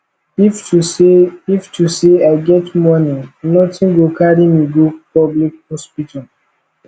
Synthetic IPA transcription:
ifusiftuseaɪɡɛtmɔnĩnɔtĩnɡokadĩmiɡopɔblik̚hɔspitʰal

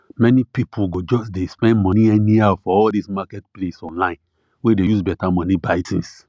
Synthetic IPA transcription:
mɛnipipʰuɡod͡ʒɔsdespɛ̃nmɔ̃niɛniafɔɔldismakɛtplesɔ̃nlãɪ̃n | wedejusbɛtamɔ̃nibaɪtĩns

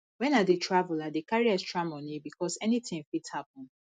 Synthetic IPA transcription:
wɛ̃nadetʰɹavuladekaɹiɛstɹɔ̃mɔ̃nibikɔsɛnitɪ̃ŋfithapɔ̃n

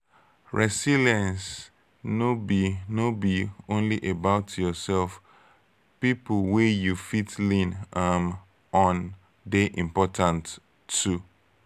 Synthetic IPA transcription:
ɹɛsiliɛ̃ns | nobinobiõnliʔebaʊtjɔsɛlf | pipwejufitlĩnam | ɔ̃n | deʔĩmpɔtʰãntʰː | u

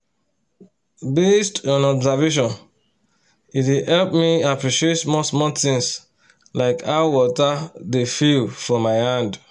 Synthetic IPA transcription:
bestɔ̃nɔbzaveʃ̬ɔ̃n | itwihɛlp̚miapɹiʃietsmɔsmɔt̪ĩŋs | laɪkʰaʊwɔtadefilfɔmaɪhãnd

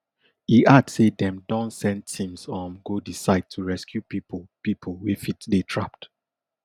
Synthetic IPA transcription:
iʔadsedɛ̃mdɔ̃ntsɛ̃ntʰĩmsɔ̃mɡodisaɪd̚tʰuɹɛskʰjupippipʰolwifitdetʰɹapt

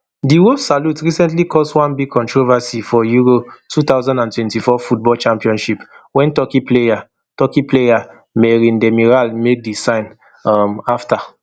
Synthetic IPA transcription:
diwolsalutɹisɛ̃ntlikʰɔstwãnbiɡ̚kʰɔ̃ntɹovasifɔjuɹotʰut̪aʊzãndãntwɛ̃ntifɔfut̚bɔlt͡ʃãmpiɔ̃nʃipwɛ̃ntɔkipleja | tɔkipleja | mɛɹĩndɛmiɹalmek̚disãɪ̃n | amafta

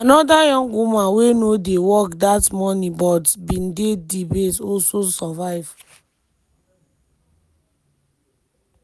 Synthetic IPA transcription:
anɔdajɔ̃ŋɡumãnwenodewɔkdatmɔnibɔdbĩndedibetɔlsosɔvaɪv̥

